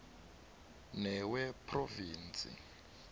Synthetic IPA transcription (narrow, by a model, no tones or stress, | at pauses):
nɛwɛpʰroviːnt͡sʼḭ